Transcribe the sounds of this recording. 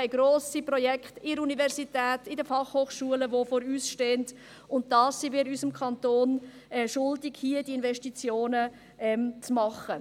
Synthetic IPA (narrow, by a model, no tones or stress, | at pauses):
aɪɡɾoːsiprɔjɛkχtɪəɾunivɛɾsitɛːtɪdəfɑχhoːχʃuələʋofoːɾyːsʃteːnt | ʊnt̚dɑːsːiʋɪɾysəmkʰɑntoːn | ɛʃʊldɪɡ̥hiːədiɪnvɛʃtit͡sjoːnə | ɛmt͡smɑχə